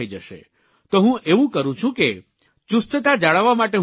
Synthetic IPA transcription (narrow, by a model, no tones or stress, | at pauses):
əid͡ʒəʃḛ | t̪oɦũʔeʋũkəɾũt͡ʃʰũke | t͡ʃust̪ət̪ad͡ʒaɭaʋːamaʈeɦ